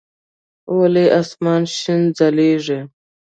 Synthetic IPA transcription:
oleʔasmɑːnʃind͡zaleːʐe

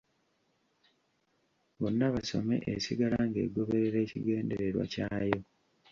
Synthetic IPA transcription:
βo̞nːaβaso̞̰me̞̰ʔesiɡalaŋɡeːɡo̞βe̞ɾeɾe̞ːciɡe̞ːnde̞ɾeɾwa̰caːjo̞

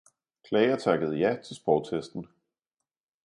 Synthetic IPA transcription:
kʰlɛɪɐt͡sʰɑ̈ɡ̥əð̞̩ˠəjɑ̈ɪt͡sʰe̝lsb̥ɒʊt͡sʰesd̥n̩

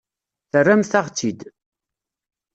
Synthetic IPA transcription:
θərːæmθaʁt͡sːid̪

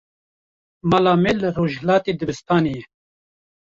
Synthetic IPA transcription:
maːlaːmelɨroːʒhlɑːt̪eːd̪ɨbɨst̪ɑːnejɛ

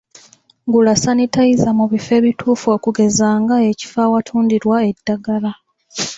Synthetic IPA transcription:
ŋɡulasanitaizamuβife̞ːβitʰuːfo̞ːkuɡe̞zaːŋɡae̞ci̥fawatʰuːndiɾwae̞dːaɡala

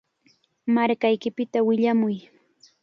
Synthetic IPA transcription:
maɾkajkɪpɪt̪awɪʎamʊj

